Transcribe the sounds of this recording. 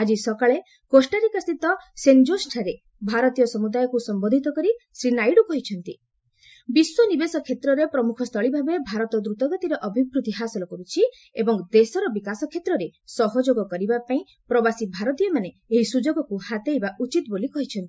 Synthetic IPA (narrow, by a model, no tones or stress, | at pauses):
ad͡ʒisɔkaɭe | kosʈaɾikɔst̪it̪ɔsend͡ʒosʈʰaɾe | bʱaɾɔt̪ijɔsɔmud̪ajɔkusɔmbɔnd̪ʱit̪ɔkɔɾisɾinajɽukɔɦit͡ʃʰɔnt̪i | biswɔnibesɔkʰet̪ɾɔɾepɾɔmukʰɔst̪ʰɔɭibʱabebʱaɾɔt̪ɔd̪ɾut̪ɔɡɔt̪iɾɔʔɔbʱibɾut̪iɦasɔlɔkɔɾut͡ʃʰi | ebɔŋd̪esɔɾɔbikasɔkʰːet̪ɾɔɾesɔɦɔd͡ʒoɡɔkɔɾibapaĩ | pɾɔbasibʱaɾɔt̪ijɔmane | eɦisud͡ʒoɡɔkuhat̪ejbaʔut͡ʃit̪bolikɔɦit͡ʃʰɔnt̪i